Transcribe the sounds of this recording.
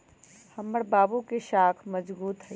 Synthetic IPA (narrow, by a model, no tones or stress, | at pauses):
hɐmːəɽbaːbukeʃaːkʰmɐd͡ʒbuːt̪ɦɛ